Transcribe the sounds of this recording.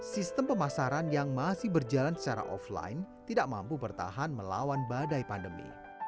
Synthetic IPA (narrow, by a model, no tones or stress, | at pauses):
sist̪əmpəmasaɾanjaŋmasɪhbərd͡ʒalansə̥t͡ʃaɾa̰ʔɔ̰fla̰jnt̪idaʔ̚mampupərt̪a̰ɦanməla̰wanbadajpandəmḭ